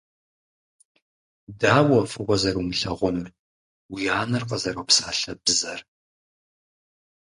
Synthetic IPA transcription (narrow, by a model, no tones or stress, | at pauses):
daːwɐfʼɨɣʷɔzɐrumɨɬɐʁʷʊm | wijaːnɨrqɐzɐɾowpsaːɬɐbɨzɐr